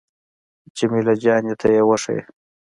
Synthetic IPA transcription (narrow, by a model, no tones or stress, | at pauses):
t͡ʃemilad͡ʒɑːnjet̪ʰajewəʂḛj